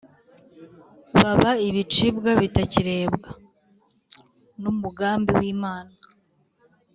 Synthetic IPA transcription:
βaβaiβit͡ʃibɡaβitaciɾe̞ːbɡa | numuɡaːmbiwiːmaːna

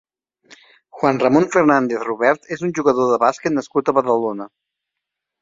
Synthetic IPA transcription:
xwanrəmonfərnand̪eθruβɛɾt̪ezunʲʒuɣəðoðəβasket̪nəskut̪əβəðəlonə

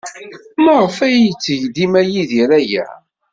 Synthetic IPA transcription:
məʁəfæjt͡sːəʝd̪imæjiðiɾæjæ̰

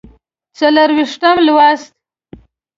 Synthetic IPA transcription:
t͡saləɾwiʂʈ̪amlwast̪̚

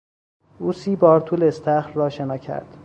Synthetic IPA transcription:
ʔuːsiːbɒːɾt̪ʰuːleest̪ʰæxɾːɒːʃenɒːcʰæ̰ɾd̪̥

